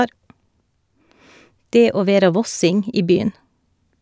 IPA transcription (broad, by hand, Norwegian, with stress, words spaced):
ˈdeː ˈoː ˈʋeːɾɑ ˈʋɔsɪŋ ˈiː ˈbyːən